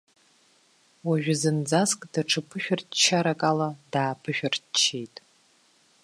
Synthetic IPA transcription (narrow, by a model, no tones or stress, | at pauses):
waʒʷᶣʊzɨnd͡zaskʼd̥aʈ͡ʂʰɨpʰɨʃᶣʊrtt͡ʃʰːaɾakʼaladaːpʰɨʃʷᶣʊrtt͡ʃʰːejtʼ